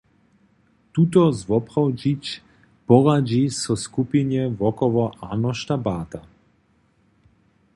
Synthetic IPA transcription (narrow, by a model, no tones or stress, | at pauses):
t̪ut̪ɔzʋɔpʁɔwd͡ʒit͡ʃ | pɔʁad͡ʒisɔskupinjɛʋɔkɔʋɔʔanɔʃt̪abaːt̪a